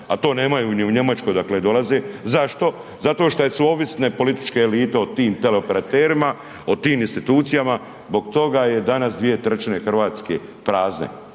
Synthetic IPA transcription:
at̪o̞ːne̞ːmajuːɲuɲe̞mat͡ʃko̞jd̪akled̪o̞lazezaʃt̪o̞ | zat̪o̞ːʃt̪ojesuoʋisne̞po̞lit̪i̥t͡ʃke̞ːliːt̪eot̪iːmt̪eleope̞ɾat̪eːɾima | ot̪iːminst̪it̪uːt̪sijama | zbo̞ɡt̪o̞ɡaje̞d̪anasd̪ʋije̞t̪ɾt͡ʃnexr̩ʋaːt̪ske | pɾaːznḛ

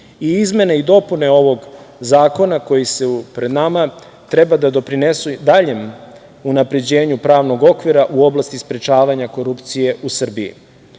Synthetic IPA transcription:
iizme̞neid̪o̞pune̞o̞ʋo̞ɡzaːko̞nako̞jise̞pɾe̞d̪nama | t̪ɾe̞bad̪ad̪o̞pɾinesud̪aʎe̞m | unapɾe̞d͡ʑe̞ːɲupɾaːʋno̞ɡo̞kʋiɾaʔuo̞blˠast̪ispɾet͡ʃaːʋaɲako̞ɾupt̪sije̞usr̩biḭ

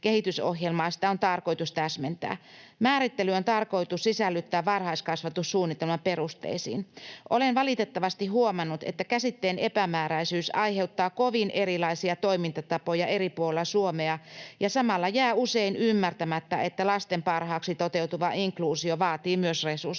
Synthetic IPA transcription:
kehit̪yso̰hjelmɑːsi̥t̪æo̞nt̪ɑrko̞jt̪ust̪æsment̪æ̰ːmæːɾit̪ːelyont̪ɑrko̞it̪ussisælːyt̪ːæːʋɑrhɑiskɑsʋɑt̪ussuːnːit̪ːelmɑpe̞rust̪ḛisḭːnʔolenʋɑlit̪et̪ːɑʋɑst̪iɦuomɑnːut̪ḛt̪ːækæsit̪ːeːne̞pæmæːɾæisyːsɑjɦe̞ut̪ːɑːkoʋinʔeɾilɑisiɑt̪o̞imint̪ɑt̪ɑpojɑe̞ripuolelːɑsuomeɑjɑsɑmɑlːɑjæːuseinymːært̪æmæt̪ːæʔet̪ːælɑst̪empɑrhɑːksit̪o̞t̪e̞wt̪uʋɑʔiŋkluːsioʋɑːt̪iːmyøsresus

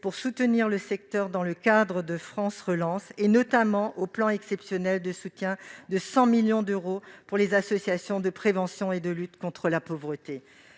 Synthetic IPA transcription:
puʁsut̪əniʁləsɛk̚t̪œʁd̪ɑ̃ləkad̪ʁəd̪əfχɑ̃sʁəlɑ̃senɔt̪amɑ̃ʔoplɑ̃ɛksɛpsjɔnɛld̪əsut̪jɛ̃d̪əsɑ̃miljɔ̃d̪øʁopuʁlezasɔsjasjɔ̃d̪əpχevɑ̃sjɔ̃ed̪əlyt̪kɔ̃t̪χəlapovʁət̪e

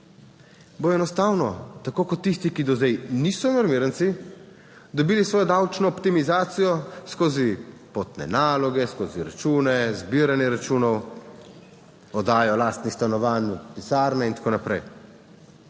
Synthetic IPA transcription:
boɔɛnɔst̪aːwnɔt̪akoːkɔt̪ːist̪ikid̪ɔzd̪ɛjniːsɔmɛɾmiːɾənt̪si | d̪ɔbiːlisʋɔːjɔd̪awt͡ʃnɔːpt̪imizaːt̪sijɔskoːzipoːt̪nɛ̰naːlɔɡɛskoːziɾa̰t͡ʃuːnɛzbiːɾanjɛɾat͡ʃuːnɔw | ɔd̪aːjɔlaːst̪nist̪anɔʋaːnpisaːɾnɛint̪ḁkoːnapɾɛ̰j

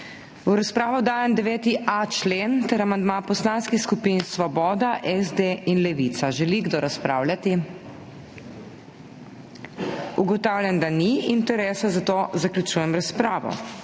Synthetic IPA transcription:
uɾaspɾaːʋɔd̪aːjɛmd̪ɛʋɛːt̪iʔat͡ʃlent̪ɛɾamand̪mapɔslaːnskixskupinsʋɔbɔːd̪aʔɛzd̪einlɛʋit̪saʒɛliɡd̪oːɾaspɾa̰ːwlʲat̪i | uɡɔt̪awlʲjand̪aniint̪ɛɾɛːsazat̪oːzaklʲjut͡ʃuːjɛmɾaspɾaːʋɔ̰

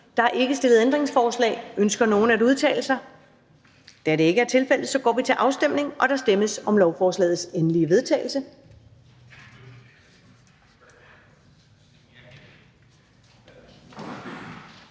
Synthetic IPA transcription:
d̥ɑ̈æɐʔe̝ɡ̥əsd̥e̝lð̩ˠend̥ʁeŋsfɒːslɛ̰ːɪønsɡ̥ɐno̝ːn̩æd̥uð̞ˠt͡sʰɛ̰ɪl̩sɑɪ | d̥æɐɾe̝e̝ɡ̥əæɐt͡sʰe̝lfel̰ð̩ˠsɒ̽ɡ̥ɒ̰ːʋit͡sʰe̝lʔɑ̈ʊsd̥em̰ne̝ŋʔɒ̽ɾ̥ɑ̈sd̥eməsɒ̽mlɒʊfɒːslɛ̰ːð̩ˠsenəliəʋe̝ð̞ˠt͡sʰɛ̰ːɪl̩sə

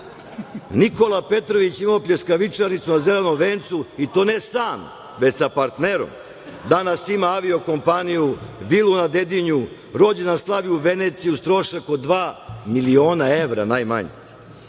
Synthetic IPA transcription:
niko̞lˠape̞t̪ɾo̞ʋit͡ɕimaopʎʲeskaʋit͡ʂaɾnit̪sunazelenomʋeːnt̪suit̪o̞ːne̞saːm | ʋet͡ɕsapaɾt̪neɾo̰m | d̪anasimaaʋio̞ko̞mpanijuʋilunad̪ed̪iɲu | ɾo̞d͡ʑenaslˠaʋiuʋenet̪sijust̪ɾo̞ʃakod̪d̪ʋaːmilioːnaeʋɾa̰naːjma̰ɲḭ

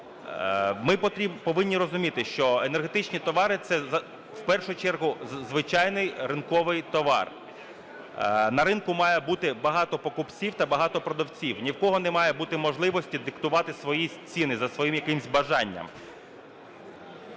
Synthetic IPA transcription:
mɪpɔʋɪnʲːiɾɔzʊmʲit̪ɪʃt͡ʃɔenerɦet̪ɪt͡ʃnʲit̪ɔʋɑɾɪt̪sɛɐ | wpɛrʃʊt͡ʃɛrɦʊzʋɪt͡ʃɑjnɪjrɪnkɔʋɪjt̪ɔʋɑ̰r | nɐɾɪnkʊmɑjɛbut̪ɪbɐɦɑt̪ɔpɔkʊpt͡sʲiwt̪ɐbɐɦɑt̪ɔpɾɔd̪ɔwt͡sʲiwnʲiwkɔɦɔnɛmɑjɛbut̪ɪmɔʒlˠɪʋɔsʲtʲid̪ɪkt̪ʊʋɑt̪ɪsʋɔjisʲt͡sʲinɪzɐsʋɔjimjɐkɪmsʲbɐʒɑnʲːɐ̰m

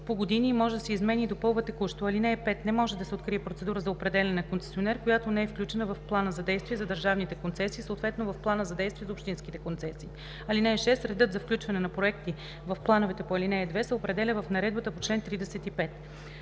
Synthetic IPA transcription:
poɡod̪inimɔʒɛd̪ɐsɛizmɛnid̪opɤlˠvət̪ɛkuʃt̪oɐlinɛɛpɛt̪nɛmɔʒɛd̪ɐsɛot̪kɾiɛpɾot̪sɛd̪uɾəzɐopɾɛd̪ɛlʲɛnɛnɐkont̪sɛ̥sionɛɾkojat̪onɛɛfklʲut͡ʃɛnəvɐfplˠanəzɐd̪ɛjst̪vʲiɛzɐd̪əɾʒavnit̪ɛkont̪sɛsiːsoːt̪vɛt̪novɐfplˠanəzɐd̪ɛjst̪vʲiɛzɐopʃt̪insk̟it̪ɛkont̪sɛsiː | ɐlinɛːʃɛst̪ɾɛd̪ɤt̪zɐfklʲut͡ʃvɐnɛnɐpɾoɛkt̪i | vɐfplˠanovɛt̪ɛpoɐlinɛɛd̪vɛsɛopɾɛd̪ɛlʲəvɐfnɐɾɛd̪bət̪əpot͡ʃlɛnt̪ɾid̪ɛsɛt̪ipɛt̪

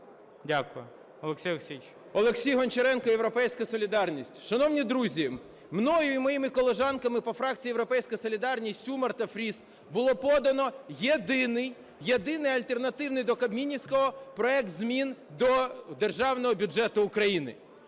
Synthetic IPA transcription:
dʲakʊjʊ | ɔlˠeksʲijʲksʲijt͡ʃʲ | ɔlˠeksʲijɦɔnt͡ʃeɾɛnkɔjewɾɔpɛjsʲkɐsɔlʲid̪ɑrnʲisʲtʲʃɐnɔwnʲid̪ɾuzʲi | mnɔjʊimɔjimɪkɔlˠeʒɑnkɐmɪpɔfɾɑk̚t͡sʲijːjewɾɔpɛjsʲkɐsɔlʲid̪ɑrnʲisʲumɐrt̪ɐfɾʲis | bʊlˠɔpɔd̪ɐnɔjed̪ɪnɪj | jed̪ɪnɪjɐlʲt̪ernɐt̪ɪwnɪjd̪ɔkɐbmʲinʲisʲkɔɦɔpɾɔɛk̚t̪zʲmʲind̪ɔd̪erʒɑwnɔɦɔbʲʊd͡ʒɛt̪ʊːkɾɐjinɪ̰

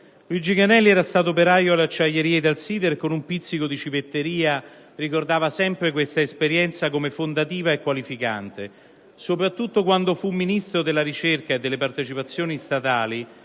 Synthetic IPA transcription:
luid͡ʒiɡanɛlːiɛːɾast̪aːt̪̬op̬eɾaːjoalːeat͡ʃːajːeɾiːed̪alsiːd̪erkonumpit̪sikod̪it͡ʃivet̪ːeɾiːa | rikord̪aːvasɛmpɾek̬west̪aespeɾjɛnt̪sakomefond̪at̪iːvaekːwalifika̰nt̪e | sopɾat̪ːut̪ːokwand̪ofumːinist̪ɾod̪elːaɾit͡ʃerkaed̪ːelːepart̪et͡ʃipat̪sːjoːnist̪at̪aːli

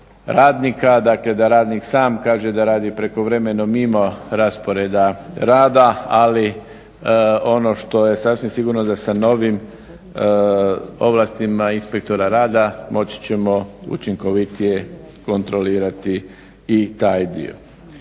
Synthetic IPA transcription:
ɾaːd̪nikad̪akle̞d̪aɾaːd̪niksaːmkaːʒe̞d̪aɾaːd̪ipɾe̞ko̞ʋɾeme̞no̞mimo̞ɾaspo̞ɾeːd̪aɾaːd̪aali | o̞no̞ʃt̪o̞je̞sasʋimsiɡuɾnod̪asano̞ʋim | o̞̰ʋlast̪imainspek̚t̪o̞ɾaɾaːd̪amʔo̞t͡ɕi̥t͡ɕe̞mo̞ṵt͡ʃiŋko̞ʋit̪ije̞ | ko̞nt̪ɾo̞liːɾat̪iː | t̪aːjd̪ḭo̰

